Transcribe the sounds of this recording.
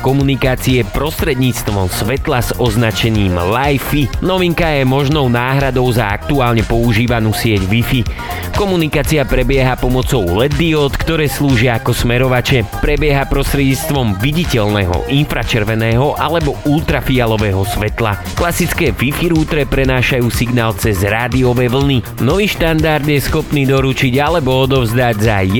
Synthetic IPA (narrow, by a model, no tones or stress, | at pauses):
kɔmunikaːt͡siɛpɾɔst̪ɾɛd̪ɲiːt͡st̪ʋɔmsʋɛt̪laz̥ɔznat͡ʃɛɲiːmlajfinɔʋiŋkajɛmɔʒnɔʊnaːɦɾad̪ɔʊzaa̰k̚t̪uaːlɲɛpɔuʒiːʋanuːsɪɛɟʋifi | kɔmunikaːt͡siapɾɛbɪɛɦapɔmɔt͡sɔʊlɛd̪iɔt̪kt̪ɔɾɛːsluːʒɪaːkɔsmɛɾɔʋat͡ʃɛpɾɛbɪɛɦapɾɔst̪ɾɛɟɲit͡st̪ʋɔmʋiɟicɛlnɛɦɔ̰ʔinfɾat͡ʃɛɾʋɛnɛːɦɔʔalɛbɔʔulˠt̪ɾafialɔʋɛːɦɔsʋɛt̪la̰ | klasit͡skɛːʋifiɾuːt̪ɾɛpɾɛnaːʃajuːsiɡnaːlt͡sɛzɾaːd̪iɔʋɛːʋl̩ni | nɔʋiːʃt̪and̪aɾd̪jɛsxɔpniːd̪ɔɾut͡ʃiɟalɛbɔɔd̪ɔʊzd̪aɟzaj